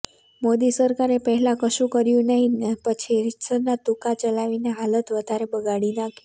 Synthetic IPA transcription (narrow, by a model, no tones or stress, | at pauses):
mod̪isəɾkaɾepəɦɛlãkəʃũkəɾjũnəɦĩpət͡ʃʰiɾisəɾnat̪ukat͡ʃəlaʋineɦalət̪ʋəd̪ʱaɾebəɡaɽinaki